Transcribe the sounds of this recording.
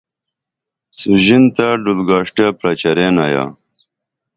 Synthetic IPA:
suʑint̪aɖulɡaːʂʈapɾɐt͡ɕɐɾeːnaja̰ː

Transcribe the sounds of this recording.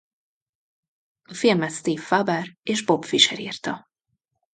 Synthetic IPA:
ɒfilmɛt̪st̪iːfːabɛreːʒbo̞pfiʃɛɾiːrt̪ɒ

